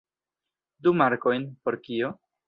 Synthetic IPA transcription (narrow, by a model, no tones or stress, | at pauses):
dumaɾko̞jnpo̞ɾkio̞